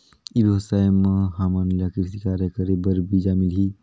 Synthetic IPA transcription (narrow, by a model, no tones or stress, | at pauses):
iɾuɦɐsaːmɦaːmanlakiɾsikaːɾjəkəɾebəɾbid͡ʒaːmɪlɦi